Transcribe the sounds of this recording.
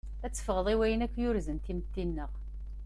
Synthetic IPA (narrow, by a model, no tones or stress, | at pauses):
æt͡sːə̥fəʁəðˤiwæjənækʷːjʊɾzənt̪imət̪ːinːəʁ